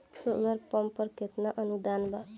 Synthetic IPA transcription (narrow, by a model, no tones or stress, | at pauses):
solʌɾpʌmpʌɾkʰet̪naʔʌnud̪anba